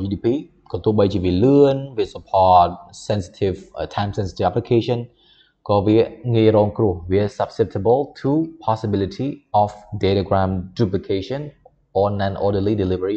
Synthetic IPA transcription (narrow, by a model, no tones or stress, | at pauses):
iːdiːpʰiː | kɔt̪uəɓəjt͡ɕiʋiələənʋiəsəpʰɔːt̚sɛnsi̥tʰivtʰãɪmsɛnsi̥t̪ʰivʔæplikʰeːʃən | kɔːʋiəŋiəjrɔːŋkruəhʋiəsap̚sɛp̚t̪ʰəbəltʰuːpʰɔsibilitʰiːʔɔfdelaɡɹãmduplikʰeʃən | ʔɔːnanʔɔːdəlidilivəɹi